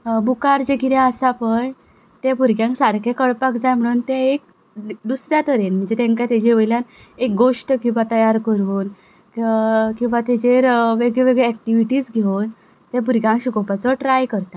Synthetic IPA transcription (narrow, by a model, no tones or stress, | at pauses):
bukaɾd͡ʑeɡiɾjãəsapəj | t̪ɛ̃puɾɡjãŋksaɾkʰekəɭpakd͡zajm̤əɽ̃uːnt̪ɛ̃ek̚ | d̪usɾjat̪əɾenm̤əɳd͡zet̪ɛ̃ŋkat̪ad͡ʑeʋəjljan | ek̚ɡoʂʈkĩw̃ʋat̪əjaɾkəɾuːn | kĩw̃ʋat̪ɛd͡ʑeɾʋeɡɭɛʋeɡɭɛːk̚ʈiʋiʈiːsɡʱeon | t̪ɛ̃p̬uɾɡjãŋkɕukɔpat͡sɔʈɾajkəɾt̪a